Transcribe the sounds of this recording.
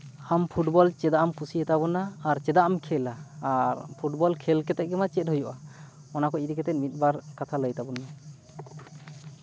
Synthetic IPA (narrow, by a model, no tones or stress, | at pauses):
ampʰuʈbɔlt͡ʃɛd̪aʔamkʰusiət̪abɔnaːɾt͡ʃɛd̪aʔamkʰɛlaaɾpʰuʈbɔlkʰɛlkɛt̪ɛʔ̚ɡɛmat͡ʃɛt̪̚ɦujɔʔa | ɔnakɔiɾikɛt̪ɛt̪̚mit̪̚ˀbaɾkat̪ʰaləjt̪abɔna